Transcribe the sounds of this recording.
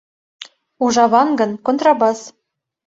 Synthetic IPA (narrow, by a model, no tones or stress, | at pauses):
uʒɑβɑnɡɤ̆nkont̪rɑbɑs